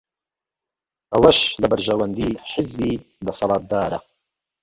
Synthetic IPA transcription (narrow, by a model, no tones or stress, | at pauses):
ʔɐwɐʃlɐbɐɾʒɐwɐnd̪iːħɪzbiː | d̪ɐsɑlɑːt̪̚d̪aːɾɐ̰